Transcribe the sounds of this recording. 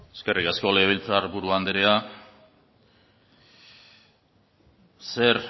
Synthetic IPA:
eske̞rʔikasko̞leβilt͡sarbuɾuand̪eɾea | se̞ɾ

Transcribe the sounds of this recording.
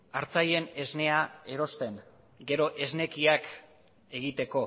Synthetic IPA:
aɾt͡saje̞ne̞zne̞ae̞ɾo̞st̪e̞ŋ | ɡe̞ɾo̞ʔe̞zne̞kiak | e̞ɣit̪e̞ko̞

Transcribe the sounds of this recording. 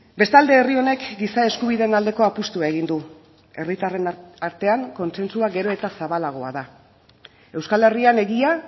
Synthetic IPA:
be̞st̪ald̪e̞ːrio̞ne̞kɡisae̞skuβiðe̞ːnald̪e̞ko̞apust̪uae̞ɣ̞ind̪u | e̞rit̪arenaɾt̪e̞aŋko̞nse̞nsuaɡe̞ɾo̞e̞t̪asaβalaɣ̞o̞a̰ða | e̞wskale̞riane̞ɣia

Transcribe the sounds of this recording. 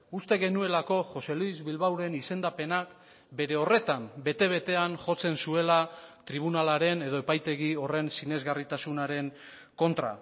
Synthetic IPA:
ust̪e̞ɣe̞nue̞lako̞ʝo̞se̞luizβilβawɾe̞nise̞nd̪ape̞nak | be̞ɾe̞o̞re̞t̪ambe̞t̪e̞β̞e̞t̪e̞anʝo̞t͡se̞nsue̞lat̪ɾiβ̞unalaɾe̞ne̞ðo̞e̞pajt̪e̞ɣio̞re̞nsine̞zɣarit̪asunaɾe̞ŋ | ko̞nt̪ɾa̰

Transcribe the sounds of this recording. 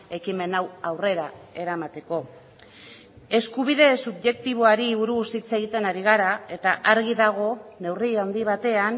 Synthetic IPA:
e̞kime̞nawawre̞ɾae̞ɾamat̪e̞ko̞ | e̞skuβ̞iðe̞subʝe̞kt̪iβ̞o̞aɾiːβuɾusit͡seɣit̪e̞naɾiɣ̞aɾae̞t̪aʔaɾɣiðaɣ̞o̞ne̞wriand̪iβ̞at̪e̞an

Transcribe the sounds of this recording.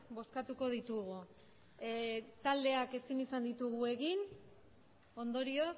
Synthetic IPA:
bo̞skat̪uko̞ð̞it̪uɣu | t̪ald̪e̞ake̞sinisand̪it̪uɣue̞ɣin | o̞nd̪o̞ɾio̞s

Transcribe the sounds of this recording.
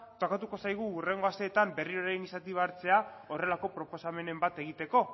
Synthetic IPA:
t̪okat̪uko̞sajɣ̞uːre̞ŋɡo̞ast̪e̞ːt̪ambe̞rio̞ɾajnisat̪iβaaɾt͡se̞ao̞re̞lako̞pɾo̞po̞same̞ne̞mbat̪e̞ɣ̞it̪e̞ko̞

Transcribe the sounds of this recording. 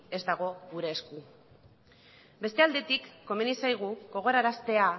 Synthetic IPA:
e̞zd̪aɣ̞o̞ɣuɾe̞ːsku | be̞st̪e̞ald̪e̞t̪ikːo̞me̞nisajɣ̞uɣo̞ɣ̞o̞ɾaɾast̪e̞a

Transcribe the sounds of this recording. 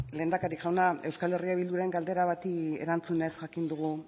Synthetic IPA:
le̞ːnd̪akaɾikʝawnae̞wskale̞riaβild̪uɾae̞ŋɡald̪e̞ɾaβat̪iḛɾant͡sune̞sʝakind̪uɣ̞u

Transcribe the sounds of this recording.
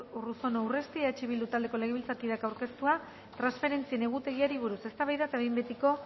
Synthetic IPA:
uruso̞nawre̞st̪iat͡ʃiβild̪ut̪ald̪e̞ko̞le̞ɣ̞eβilt͡sakiðakawɾke̞st̪ua | t̪ɾansfe̞ɾe̞nt͡sie̞ne̞ɣ̞ut̪e̞ɣ̞iaɾiβuɾuse̞st̪aβajðat̪ajmbet̪iko̞

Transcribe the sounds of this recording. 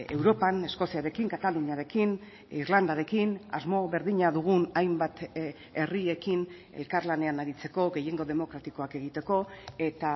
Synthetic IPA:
e̞wɾo̞pane̞sko̞siaɾe̞kiŋkat̪alunaɾe̞kin | iɾland̪aɾe̞kina̰zmo̞βe̞ɾðiɲaðuɣ̞unajmbat̪ | e̞rie̞kin | ḛlkaɾlane̞anaɾit͡se̞ko̞ɣe̞je̞ŋɡo̞ðe̞mo̞kɾat̪iko̞ake̞ɣ̞it̪e̞ko̞e̞t̪a

